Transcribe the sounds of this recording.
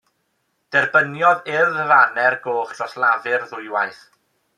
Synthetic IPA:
d̥ɛrbənjɔðɪðəvanɛrɡoːχtʰrɔslˠavɨrðʊɨwajθ

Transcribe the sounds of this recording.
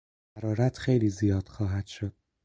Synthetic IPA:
æɾɒːɾæt̪ʰxe̞jliːzijɒːd̪̥xɒːɦæd̪̥ʃo̞d̪̥̚

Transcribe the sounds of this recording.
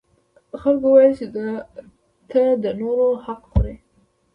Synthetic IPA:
xalkowajəlt͡ʃed̪a | t̪əd̪ənoɾohaqxoɾe

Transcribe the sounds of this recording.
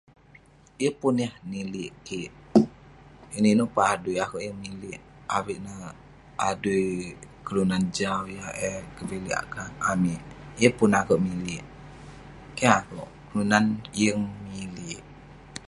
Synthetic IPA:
jəpunjahniliʔkiʔ | ininoʔpəadujakoʔjəŋnilɪʔawiʔnə | adujkəlunand͡ʒawjahekəbiliʔa̰ʔkaamiʔjəpʊnakoʔmilɪʔ | kɛakoʔkəlunanjəŋmiliʔ

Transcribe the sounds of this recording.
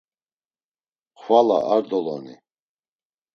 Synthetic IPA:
χʰwala̰ʔaɾd̪ɔlɔ̰nḭ

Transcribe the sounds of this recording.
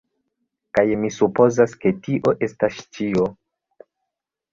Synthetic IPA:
kajmisupo̞zaske̞tiʔo̞ʔe̞stast͡ʃio

